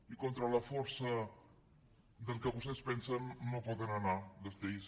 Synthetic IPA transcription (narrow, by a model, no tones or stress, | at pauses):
ikont̪ɾələfɔɾsə | d̪əlˠkəβust̪ɛspɛnsənːopɔðənənaðəst̪eis